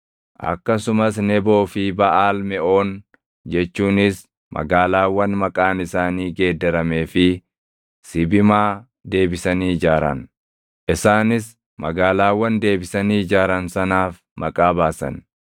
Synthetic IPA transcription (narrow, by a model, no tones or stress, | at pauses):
ʔɐ̰kːɐsʊmɐsnɛbo̞ːfɪbɐʔaːlmɛʔo̞ːn | d͡ʒɛt͡ʃːuːnɪs | mʔɐ̰ɡaːlaːwːɐnmɐkʼaːnɪsaːniːɡe̞ːd̪ːɛɾɐme̞ːfɪ | sɪbɪmaː | d̪e̞ːbɪsɐniːd͡ʒaːɾɐ̰n | ʔɪsaːnɪs | mɐɡaːlaːwːɐnd̪e̞ːbɪsɐniːd͡ʒaːɾɐnsɐnaːf | mɐkʼaːbaːsɐ̰n